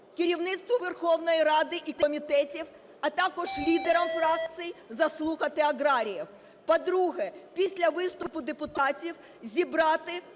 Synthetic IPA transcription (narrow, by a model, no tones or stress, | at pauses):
kɪɾʲiwnɪt̪st̪ʋɔʋerxɔwnɔjiɾɑd̪ɪʔikɔmʲit̪ɛtʲiw | ɐt̪ɑkɔʒlʲid̪eɾɐmfɾɑk̪̚t͡s̪ɨjizɐslˠuxɐt̪ɪɐɣɾɑɾʲijɐw | pɔd̪ɾuɦɛpʲisʲlʲɐʋɪst̪ʊpʊd̪epʊt̪ɑtʲiw | zʲibɾɑt̪ɪ